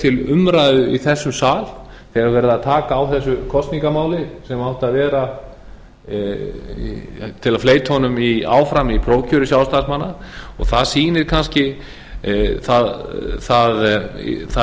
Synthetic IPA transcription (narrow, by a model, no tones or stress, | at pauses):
t̪ʰɪlʏmɾajðʏiθɛsːʏmsaːl | θɛɣaɾvɛːɾɪðaðt̪ʰaːkaːwθɛs̬ːʏkʰɔst̪niŋkamaːwlɪsɛmawht̪aðvɛːɾa | t̪ʰɪlaðfleːjt̪hɔnʏmia̰ːwfɾamipʰɾoːwcʰœɾʏsjawst̪asmanːaɔɣθaðsiːnɪɾ̥kʰanscɪ | θaðθaðθa